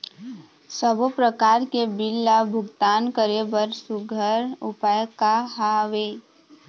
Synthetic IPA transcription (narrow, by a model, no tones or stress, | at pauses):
səbopɾəkaːɾkebɪlːabʱʊɡt̪aːnkəɾebəɾsʊɡʱəɾʊpajkaɦaʋeː